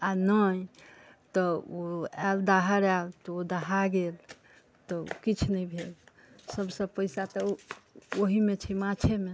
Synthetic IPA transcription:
anəj | t̪ɔoɛld̪aɦəɾɛlt̪ɔod̪aɦaɡel | t̪ɔ̰kit͡ʃʰnəibʱel | səbsəbpəjsat̪ɔ | oɦimet͡ʃʰɛmãt͡ʃʰeme

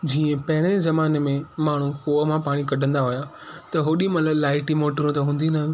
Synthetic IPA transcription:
d͡ʑiːə̃pɐɦɪɽ̃ezɐmaːnemẽmaːɳ̤ukoːəmãpaːɽ̃ikɐɗʱə̃nd̪aɦʊja | t̪ɐɦoːɗĩmɐt̪ləblaːɪʈimoːʈɾõt̪ɐɦũːn̆d̪inɐ

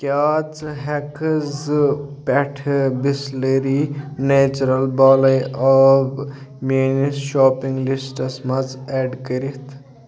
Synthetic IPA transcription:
kʲjaːt͡sɦekzpɛʈʰbisleɾinet͡ʃuɾɐlbaːlɐjɔːb | menisʃɔːpiŋɡlisʈɐsmɐd͡zeɖkəɾit̪ʰ

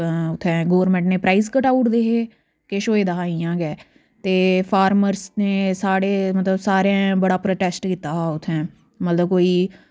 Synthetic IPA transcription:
ʊt̪ʰːɛ̃ːɡoːʋəɾmɛ̃ɳʈneːpɾaːiːzkəʈaːʊʈd̪eːɦeː | keːʃoːeːd̪əɦaːijãːɡɛː | t̪eːpʰaːɾməɾsneːsaːɽeːmət̪ləbsaːɾãːbəɽaːpɾoːʈɛːsʈkit̪aːɦʊt̪ʰːɛ̃ː | mət̪ləb̚koːiː

